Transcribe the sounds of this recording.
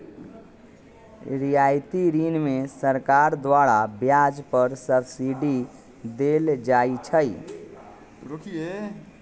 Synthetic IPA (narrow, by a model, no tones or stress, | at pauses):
ɾijaːjt̪iɾiːnmẽsəɾkaːɾd̪waːɽabjaːd͡ʒpəɾsəbsiɖi | d̪eːld͡ʒaːit͡ʃʰəi | ɾokʰie